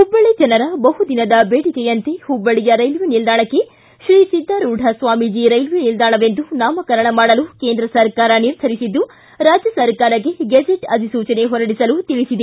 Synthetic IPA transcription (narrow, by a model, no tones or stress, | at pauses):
hubːɐɭed͡ʒɐnɐɾɐbɐɦud̪inɐd̪ɐbeːɽikɛjɐnt̪ehubːɐɭijɐɾɐjlʋenild̪aːɳɐkːe̞ | ʃɾiːsid̪ːaɾuːɖʱɐsʋaːmid͡ʒiɾɐjlʋenild̪aːɳɐʋe̞nd̪unaːmɐkɐɾɐɳɐmaːɽɐlukeːnd̪ɾɐsɐɾkaːɾɐniɾt̪ʰɐɾisid̪ːu | ɾaːd͡ʒjɐsɐɾkaːɾɐɡeɡɐd͡ʒeʈɐd̪ʱisuːt͡ʃɐne̞ɦɔɾɐɽisɐlut̪iɭisid̪e